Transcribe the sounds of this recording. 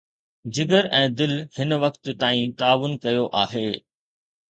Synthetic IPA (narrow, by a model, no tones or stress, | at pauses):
d͡ʑɪɡəɾɛ̃ːd̪ɪlhɪnʋɐkt̪t̪aːĩt̪aːʋʊnkɐjoʔaːɦeː